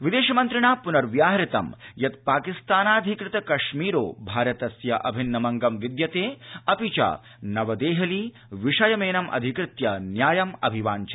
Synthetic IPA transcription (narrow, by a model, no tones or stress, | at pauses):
ʋid̪eːʃɐmɐnt̪ɾɪɳaːpunɐɾʋjaːɦɐɾit̪ɐ̰mjɐt̪̚paːkist̪aːnaːd̪ʱikɾɪt̪ɐkɐʂmiːɾo̰ːbʱaːɾɐt̪ɐsjɐʔɐ̰bʱinːɐmɐŋɡɐmʋid̪jɐt̪eːɐpit͡ʃa̰ː | nɐʋɐd̪eːɦɐliː | ʋiʂɐjɐmeːnɐmʔɐ̰d̪ʱikɾɪt̪jɐnjaːjɐmɐ̰bʱiʋaːɲt͡ʃɐ̥